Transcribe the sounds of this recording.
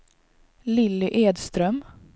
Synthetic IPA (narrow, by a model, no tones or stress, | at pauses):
lɪlːɪʔeːd̪st̪ɾœm